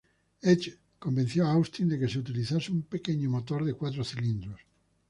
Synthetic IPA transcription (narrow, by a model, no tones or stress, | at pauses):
et͡ʃ | kombẽn̟θjoaawst̪ind̪ekeseut̪iliθaseumpekeɲomot̪oɾðekwat̪ɾoθilĩnd̪ɾos